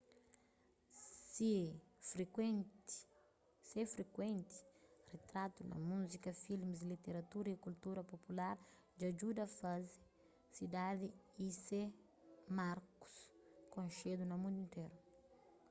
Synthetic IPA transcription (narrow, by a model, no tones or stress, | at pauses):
sifɾken | sefɾekwẽnt̪i̥ret̪ɾat̪unɐ̰muzikɐfilmizlit̪eɾat̪uɾɐikult̪uɾɐpopulaɾ | d͡ʒad͡ʒud̪ɐfazɪ | sid̪ad̪iise | maɾku̥skõnʃed̪unɐmũnd̪uĩnt̪eɾu